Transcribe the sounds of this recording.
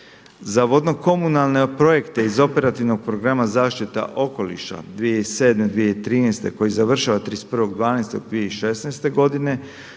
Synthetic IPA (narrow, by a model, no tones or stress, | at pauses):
zaʋo̞d̪no̞ko̞munalˠne̞pɾo̞je̞kt̪e̞izo̞pe̞ɾat̪iʋno̞ɡ̚pɾo̞ɡɾamazaːʃt̪it̪a̰ʔo̞ko̞lḭʃa̰d̪ʋijeise̞ːd̪me̞d̪ʋijeit̪ɾiːnɛst̪e̞ko̞jizaʋr̩ʃaʋat̪ɾispr̩ʋo̞ɡd̪ʋaːnest̪oɡ̚d̪ʋijeiʃe̞snɛjst̪e̞ɡo̞d̪ine̞